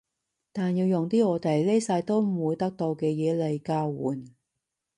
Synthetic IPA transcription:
t̪aː˨njiː˧wjʊ˨ŋt̪iː˥ɔː˨˧t̪e˨˩jle˥jsɐː˧jt̪o˥wm̩˨˩wuː˨˧jt̪ɐ˥k̚t̪o˧wkɛː˧jɛː˨˧le˨jkaː˧wwṵː˨˩n

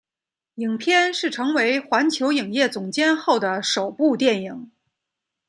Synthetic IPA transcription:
i˨˩ŋpʰjɛ˥nʂɻ̩˥˩ʈ͡ʂʰɤ˧˥ŋwe˧˥ɪxwa˧˥nt͡ɕʰjo˧˥ʊi˨˩ŋjɛ˥˩t͡sʊ˨˩ŋt͡ɕjɛ˥nxo˥˩ʊd̪ə˩ʂo˨˩ʊpu˥˧t̪jɛ˥˩ni˨˩˦ŋ

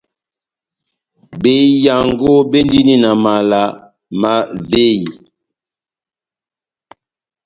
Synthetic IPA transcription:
be˦ja˨ŋɡo˦be˦ndi˦ni˦na˨ma˨la˨˦ | ma˨ve˦ji˨

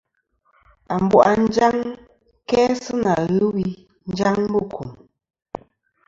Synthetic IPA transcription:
a˨m̩˨bwʔa˨n̩˦d͡ʒa˦ŋ | kɛː˦sɨ˦na˨ɣɨ˦wi˦ | n̩˦d͡ʒa˦ŋbɨ˦˨kʰu˨m

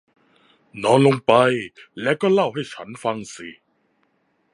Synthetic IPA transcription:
nɔː˨˧˥nlo˧ŋpa˧jlɛː˦˥wkɔː˥˩la˥˩wɦa˥˩jt͡ɕʰa˦˥nfa˧ŋsi˨˩

